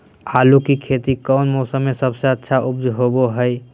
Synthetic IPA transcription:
alukikʰet̪ikəʊnmɔsəmːesəbseətːʃʰaʔub̚d͡ʒʱɦoboɦəj

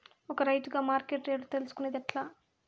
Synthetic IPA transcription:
ɔkɐɾɐjt̪uɡaːmaːɾkeːʈɾeːɖut̪elusu̥kuned̪ɐʈlaː

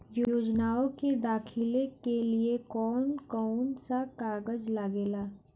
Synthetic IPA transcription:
jooːd͡ʒnaːõked̪aːkʰɪlekeliekɔːnkɔːnsakaːɾɡəd͡ʒlaɡeːlaː

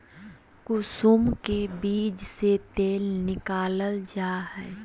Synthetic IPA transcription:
kʊsʊmkebiːd͡ʒset̪eːlnɪkaːləld͡ʒaːhɛː

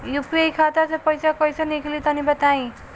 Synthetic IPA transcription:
jupejkʰat̪at͡sʌ̃j̃pʌjsakʌjsanikʰilit̪ʌnibʌt̪aĩ

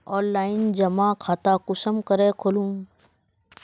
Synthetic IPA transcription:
ɔːnlaːɪnd͡ʒɐmaːkʰaːt̪akʊsəmkəɾeːkʰolũːm

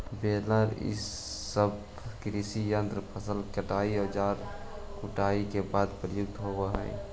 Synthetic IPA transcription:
beːləɾḭsː | əb | kɾisijənt̪ɾəpʰəsəlkəʈaːiɦəd͡ʒaːɾ | kʊʈaːikebaːd̪pɾəjʊk̚t̪ɦobəɦɛ̰̃

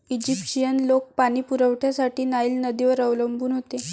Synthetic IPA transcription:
id͡ʑipɕijənlok̚paɽ̃iːpuɾəʋʈʰjasaʈiːnaiːlnəd̪iʋəɾəʋləmbʱuːnɦot̪e

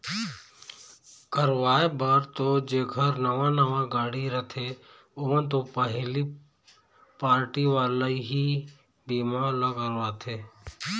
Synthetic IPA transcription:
kəɾʋaːebaɾt̪od͡ʒeːɡʰʱəɾnəʋãnəʋãɡaːɽiɾət̪ʰe | oə̃nt̪opəɦli | paːɾʈiʋaːləiɦi | biːmalaɡəɾʋaːt̪ʰeː

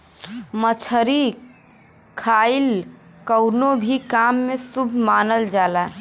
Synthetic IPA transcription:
mət͡ʃʰəɾi | kʰail | kəʊnobʱikamːesubʱmanəld͡ʒala

